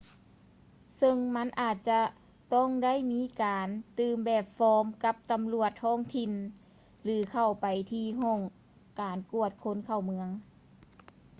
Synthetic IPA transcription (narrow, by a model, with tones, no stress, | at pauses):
sɤ˧ŋma˧˥˨nʔaː˨˩t̪̚t͡ɕa˧ | t̪ɔ˥˩˨ŋda˥˨jmiː˦˥kaː˨nt̪ɯː˧mbɛː˨˩p̚fɔː˧˥mka˧˦˥p̚t̪a˨˩mlu˧˩ət̪̚hʰɔː˧˥˩ŋt̪ʰi˧˩n | lɯː˨˦kʰa˨˩wpa˨˩jt̪ʰiː˧ɦɔː˧˩ŋ | kaː˨˩nku˧˩ət̪̚kʰo˧˥nkʰa˧˩wmɯ˧əŋ